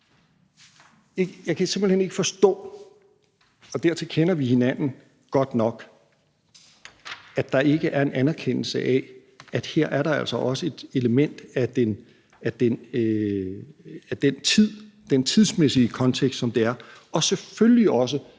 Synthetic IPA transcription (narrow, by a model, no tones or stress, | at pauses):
eɡjɑ̈ɪkʰæse̝mb̥l̩hene̝ɡ̥əfɒ̽sd̥ɔ̰̽ː | ɒ̽d̥æɐt͡sʰe̝lkʰenɐʋihe̝næn̰n̩ | ɡ̥ɒ̽d̥nɒ̽ɡ̥ | æ̥ɑ̈ʔe̝ɡ̥əʔæɐe̝nænæɐkʰen̰l̩səʔɛ | æd̥heɐ̰ʔæɐɾɑ̈æl̰sɒ̽ʔɒ̽səe̝d̥e̝ləmen̰d̥æd̥en | æd̥en | æd̥ent͡sʰið̰ˠ | d̥ent͡sʰiðˠsmesiəkʰɒ̽nt͡sʰeɡ̥sd̥sɒ̽md̥e̝æɐɒ̽sefølliɒ̽s̬ə